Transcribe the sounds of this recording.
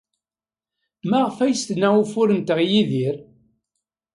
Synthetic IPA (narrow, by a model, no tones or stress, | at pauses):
mæʁəfæjst̪nːæufʊɾənt̪əʁjiðiɾ